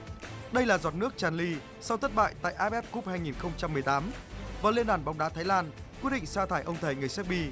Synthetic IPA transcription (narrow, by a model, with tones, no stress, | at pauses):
ɗə˧jlaː˨˩zaː˨˩t̚nɨ˦˥ək̚t͡ɕaː˨˩nli˧ | sa˧wt̪ʰə˦˥t̚ɓa̰ː˧˨jt̪a̰ː˧˨jʔaː˧˥ɓɛ˦˥p̚ku˦˥p̚haː˧jŋi˨˩nxə˧wŋ͡mt͡ɕa˧mːɨ˨˩əjt̪aː˨˦mvaː˨˩li˧ənɗaː˧˩nɓɔ˨˦wŋ͡mɗaː˨˦t̪aː˨˦jlaː˧nkwi˦˥ət̚ɗḭ˧˨ŋ̟saː˧t̪ʰaː˧˩jʔə˧wŋ͡mt̪ʰə˨˩jŋɨ˨˩əjsaː˦˥k̚ɓi˧